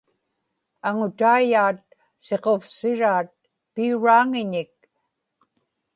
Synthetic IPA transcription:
aŋʊt̪aːjaːt̪̚ | se̞qofsɪɻaːt̪̚ | piuɻaːŋɪɲɪk̚

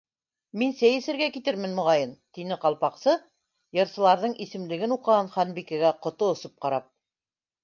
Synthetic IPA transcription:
minsæjɘ̆sɘ̆ɾɡækit̪ɘɾmɘ̆nmŏʁɑjɤnt̪inɘqɑlˠpɑqsɤ | jɤ̆ɾsɤ̆lˠɑɾðɤɴʔisɘ̆mlɘ̆ɡɘnuqɤ̆ʁɑnχɑnbikæɡæqŏt̪oŏsop̚qɑɾɑp̚

